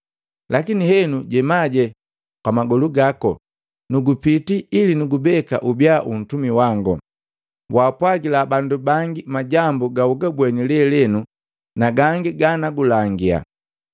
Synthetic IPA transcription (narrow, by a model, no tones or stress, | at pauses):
lakinihɛnuɟɛmaɟɛ | kwamaɡɔluɡakɔ̰ | nuɡupitiilinuɡubɛka̰ʔubjaʔun̩tumiwaŋɡɔ̰ | waːpwaɡilabandubaŋɡimaɟambuɡauɡabwɛnilɛlɛnu | naɡaŋɡiɡanaɡulaŋɡia̰